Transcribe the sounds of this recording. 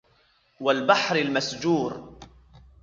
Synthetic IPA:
walbaħɾɪlmasd͡ʒuːɾ

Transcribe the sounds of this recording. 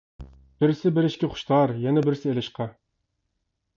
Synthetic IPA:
b̥ɪɾsɪbɪɾɪʃkʲɪχʊ̥ʃt̪ʰɑɾjɛnɛbɪɾsɪelɪʃqʰɑ

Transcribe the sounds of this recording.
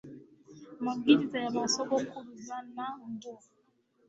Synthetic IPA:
maŋɡilizajamasɔɡɔkʰuluzanaundɔ

